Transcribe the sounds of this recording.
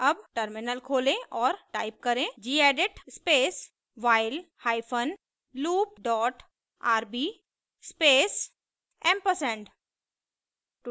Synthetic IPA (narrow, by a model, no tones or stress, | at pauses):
ɐbʈəɾmɪnəlkʰoːlẽʔɔːɾʈaːɪp̚kɐɾẽd͡ʒiːɛːɖɪʈspeːs | ʋaːɪlhaːɪpʰən | luːp̚ɖɔːʈ | aːɾbiː | speːs | ɛ̃mpəsɛ̃ɳɖ | ʈ